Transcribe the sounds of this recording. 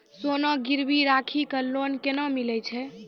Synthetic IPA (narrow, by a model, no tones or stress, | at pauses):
sonɔɡiɾbiɾakʰikəlːonkenɔmilɛt͡ʃʰɛ